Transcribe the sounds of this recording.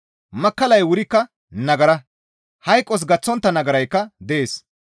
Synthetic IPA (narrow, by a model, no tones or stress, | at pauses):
mɐkːɐlɐjwʊɾɪkːɐ | nɐɡɐɾɐ | hɐjkʼːɔs̬ɡɐt͡sːɔnt̪ːɐnɐɡɐɾɐjkːɐd̪ɛʔeːs